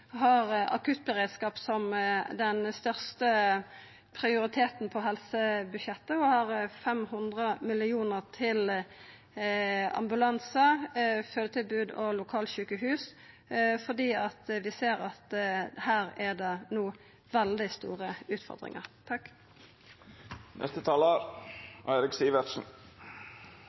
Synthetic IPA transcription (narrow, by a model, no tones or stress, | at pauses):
ɦɑʁɑ̰kʰʉt̪̚bəʁeːd̪skɑːpsɔmd̪ɛnst̪œʁst̪ə | pʰɾɪʊɾɪt̪ʰeːt̪npʰɔɦɛlsəbʉʃjɛt̪ːəɔhɑʁfɛmhʊnd̪ʁəmɪlɪuːnəʁt̪ʰɪl | ɑ̰mbʉlɑnsəføːd̪ət̪ʰɪlbʉːd̪ɔlʊkʰɑːlɕʉːkəɦʉːs | fɔd̪iːɑt̪ʋɪseːɾɑt̪hæːɾɛd̪enuː | ʋɛld̪ɪst̪ṵːʁəʉːt̪fɔ̰ʁd̪ʁɪ̰ŋə̰ʁt̪ʰɑkː | nʔɛ̰st̪ət̪ʰɑːləɾʔæɪɾɪksiːʋətsn̩